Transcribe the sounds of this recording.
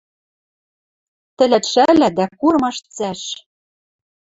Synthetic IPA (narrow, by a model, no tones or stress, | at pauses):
t̪ɘ̆læt̪ʃælæd̪ækurmɑʃt͡sæʃ